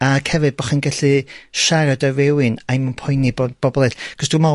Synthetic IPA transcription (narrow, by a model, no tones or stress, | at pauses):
akʰhɛvɨd̚bɔχinɡaɬɨʃaɾadavɛwɨnajmunpʰɔjnibb̥ɔbɔlˠɛɬkʰɔsd̥uma